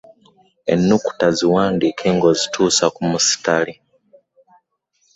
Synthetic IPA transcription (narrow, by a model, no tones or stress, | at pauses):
e̞̰nːuku̥taziwaːndiːkʰeːŋɡo̞zitʰuːsakumusi̥tali